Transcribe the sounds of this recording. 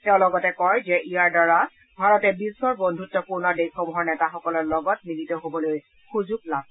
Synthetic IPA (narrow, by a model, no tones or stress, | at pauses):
tɛʊ̃lɔɡɔtɛkɔjzɛʔijaɹdaɹa | bʱaɹɔtɛbisɔɹbondʱutːɔpuɹnɔdexɔmuɦɔɹnɛtaxɔkɔlɔɹlɔɡɔt̚nilitɔɦobɔloj | xuzuɡ̚lab̚